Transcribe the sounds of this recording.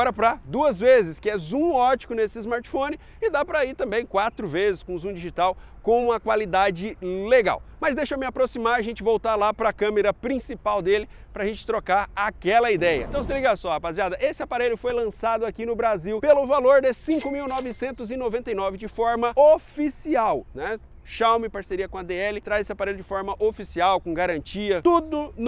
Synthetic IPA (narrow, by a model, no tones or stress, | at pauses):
ɡɔɾɐpɾɐd̪uɐzvezɪskɪɛzũɔt͡ʃi̥kʊnesɪːzmaɾt͡ʃi̥fõnɪ | ɪd̪apɾɐiɾt̪ɐ̃mbẽj̃kwat̪ɾʊvezɪskõzũd͡ʒiʒit̪aw | kõmɐkwalid̪ad͡ʒɪleɡa̰wmɐzd̪ejʃɐmɪapɾosimaɾɐʒẽnt͡ʃɪvowt̪aɾlapɾɐkɐ̃meɾɐpɾĩsipawd̪elɪ | pɾɐʒẽnt͡ʃɪ̥t̪ɾokaɾakɛlɐid̪ɛjɐ̰̃t̪ɐ̃w̃s̬ɪliɡasɔapaziad̪ɐʔesɪapaɾeʎʊfojlɐ̃sad̪ʊakinʊbɾaziwpelʊvaloɾd̪ɪsĩkʊmiwnɔvɪsẽnt̪ʊzɪnovẽnt̪ɐjnɔvɪd͡ʒɪfɔɾmɐofisiawnɛ | ʃawmɪpaɾseɾiɐkõad̪eɛlɪt̪ɾazesɪapaɾejʎʊd͡ʒɪfɔɾmɐʔofisiawkõɡaɾɐ̃nt͡ʃiɐt̪ud̪ʊn